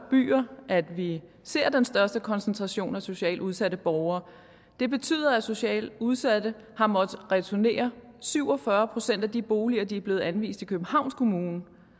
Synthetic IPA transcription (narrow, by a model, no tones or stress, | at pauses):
b̥y̰ːɐʔæd̥ʋi | se̝ɐ̰d̥ensd̥ɶɐsd̥əkʰɒ̽nsənt͡sʰʁɑ̈ɕo̝̰ːnæso̝ɕɛ̰ːluð̞ˠsædəb̥ɒʊɐː | d̥e̝b̥e̝t͡sʰy̰ːð̰ˠɐæso̝ɕɛ̰ːluð̞ˠsæd̥ə | hɑ̈mɒ̽d̥ʁɛt͡sʰone̝̰ːɐ | syʊ̰ɒ̽fɶɐpʰʁo̝sen̰d̥æd̥ib̥o̝ːliɐd̥iæɐb̥le̝ːð̩ˠænʋḭːsd̥ikʰøb̥m̩hɑ̈ʊ̰nskʰo̝muːn̩